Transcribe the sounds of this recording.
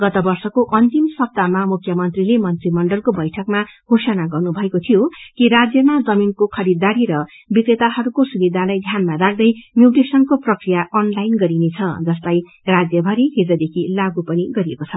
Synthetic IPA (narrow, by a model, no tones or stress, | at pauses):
ɡʌt̪ʌbʌrsʌkoʔʌnt̪imsʌb̚t̪amamukʰjʌmʌnt̪rilemʌnt̪rimʌɳɖʌlkobʌjʈʰʌkmaɡ̥ʱosʌnaɡʌrnubʱʌekot̪ʰijokiɾad͡zjʌmad͡zʌminkokʰʌɾid̪ːaɾiɾʌ | bikɾet̪aɦʌɾukosubid̪ʱalajd̪ʱjanmaɾaɡ̚d̪ʌjmjuwʈesʌnkoprʌkrijaʔʌnlajnɡʌɾinet͡sʰʌd͡zʌst̪aj | rad͡zjʌbʱʌɾiɦed͡zʌd̪ekʰilaɡupʌniɡʌɾijekot͡sʰʌ